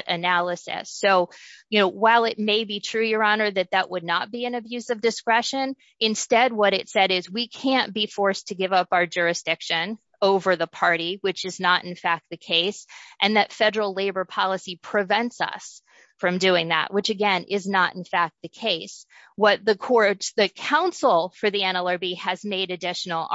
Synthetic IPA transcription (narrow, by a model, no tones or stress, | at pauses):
ɾʔɨnælˠəsɪ̰soʊjɨnoʊwaɪlˠɪt̚meɪbitʰɹ̥ʉjə˞ɑnə˞ðɨt̪̚ðəʔwədⁿnət̚b̥iɨ̃nɨbjʉzʌvdɨskɹɛʃɨ̃n | ɨ̃nstɛd̚wʌɾɨtsɛɾɪzwikʰæ̃nb̥ifɔɹstʰɨɡɪvʌpaʊə˞d͡ʒʊɹɨsd̥ɪkʃɨ̃n | oʊvə˞ðəpʰɑɹɾiwɨt͡ʃɨznəɾɨ̃n̩fæk̚t̪̚ðɨkʰeɪsʔɨ̃nðɨtfɛɾə˞l̩ˠleɪbə˞pʰɑlˠəsipʰɹ̥ɨvɛ̃ntsʌ̰s | fɹʌ̃mdʉɪ̃ŋðə̰ʔ̚wʔɨt͡ʃɨɡɛ̃nʔɪznəɾ̃n̩fæk̚t̪̚ðɨkʰeɪs | wʌt̪̚ðɨkʰɔɹtðɨkʰãʊ̃nsl̩ˠfə˞ðiɛ̃nɛlˠə˞biɨzmeɪɾɨdɪʃn̩l̩ˠ